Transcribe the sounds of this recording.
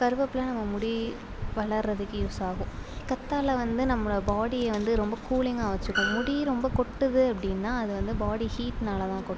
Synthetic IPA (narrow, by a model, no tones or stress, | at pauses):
pɐɾɯʋɐpːɪlɐnɐmːɐmʊɽi | ʋɐɭɐɾɾɐðɯkːɯɪɾsaːɣʊ̃kɐt̪ːaːlɐʋɐnd̪ɯnɐmːɯɭɐbaːɽijɐʋɐnd̪ɯɾɔmbɐkuːɭɪŋɡaːʋɐt͡ʃːɯkːʊ̃mʊɽiɾɔmbɐkɔʈːɯðɯɐpːɐɽɪnːaːɐðɯʋɐnd̪ɯbaːɽihiːʈnaːlɐt̪ãːkɔʈː